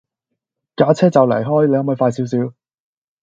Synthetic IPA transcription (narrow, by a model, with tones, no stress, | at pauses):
kaː˨˥t͡sʰɛː˥t͡sɐ˨wlɐ̰˨˩jɦɔː˥jle˨˧jhɐ˨˥mɐ˨˧jfaː˧js̬iː˨˥ws̬iː˨˧˥w